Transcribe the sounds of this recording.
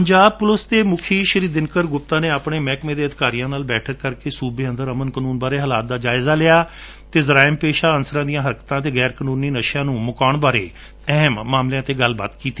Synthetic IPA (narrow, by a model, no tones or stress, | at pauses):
əɲd͡ʒaːb̚pʊlʊst̪eːmʊkʰiːʃəɾiːd̪ɪnkəɾɡʊp̚t̪ãːneːaːpɳeːmɛːkmẽːd̪eːəd̪ɪkaːɾijãːnaːlbɛːʈʰəɾkəɾkeːsuːbeːə̃nd̪əɾəmənkənuːnbaːɾeːɦəlaːt̪̚d̪aːd͡ʒaːɪzaːlɪːaː | t̪eːzəɾaːɪmpeːʃaːənsəɾãːd̪ijãːɦəɾkə̥t̪ãːt̪eːɡɛːɾkənuːniːnəʃjãːnũːmʊkaːɳbaːɾḛː | ɛɦmːaːmlejãːt̪eːɡəlba̰ːt̪kiːt̪i̥ː